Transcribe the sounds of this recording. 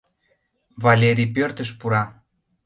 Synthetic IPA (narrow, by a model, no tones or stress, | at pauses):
valʲeɾʲipøɾt̪ə̆ʃpuɾɑ